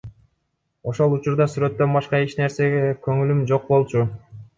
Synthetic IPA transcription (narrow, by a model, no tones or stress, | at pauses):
o̞ʃo̞lˠut͡ʃuɾd̪ɑsyɾø̞t̪ːønbɑʃqɑit͡ʃne̞ɾse̞ɡe̞køŋylymd͡ʒo̞q̚bo̞lˠt͡ʃu